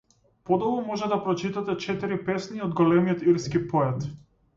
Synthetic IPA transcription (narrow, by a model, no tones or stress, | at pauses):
pɔd̪ɔvɔmɔʒɛd̪apɾɔt͡ʃit̪at̪ɛt͡ʃɛt̪iɾipɛsniɔd̪ɡɔlɛmijɔt̪iɾskipɔɛt̪